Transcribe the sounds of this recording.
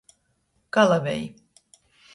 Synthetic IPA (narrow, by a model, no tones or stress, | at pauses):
kalˠavɛj